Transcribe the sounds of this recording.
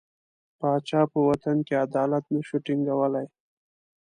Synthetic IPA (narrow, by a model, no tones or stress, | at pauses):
pɑt͡ʃɑpəwat̪ankead̪ɑlat̪naʃuʈiŋɡawəlaj